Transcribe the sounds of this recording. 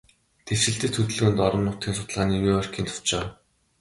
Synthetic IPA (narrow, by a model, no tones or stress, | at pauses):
t̪ʰew̥t͡ɕɪ̆ɬt̪ɘ̆t͡s̪ʰɵt̪̆ɮɵ̆ɣɘ̆nt̪ɔɾɞ̆mːʊt̪iːnsʊ̥t̪ɮaːniːjuɔr̥ʲkiːnt̪ʰʊ̥t͡ɕaː